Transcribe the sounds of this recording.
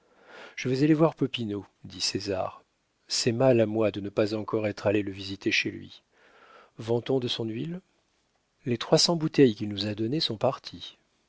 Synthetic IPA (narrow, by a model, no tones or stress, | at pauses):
ʒ̥əvɛzalevwaʁpɔpino | d̪iseza̰ʁ | sɛmalamwad̪ənəpazɑ̃kɔʁɛt̪χaleləvizit̪eʃelɥḭ | vɑ̃t̪ɔ̃d̪əsɔ̃nɥil | let̪χwasɑ̃but̪ɛjkʲilnuzad̪ɔnesɔ̃paʁt̪ʰi